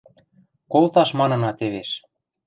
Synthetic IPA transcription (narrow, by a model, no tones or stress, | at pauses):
kolt̪ɑʃmɑnɤ̆nɑt̪eβeʃ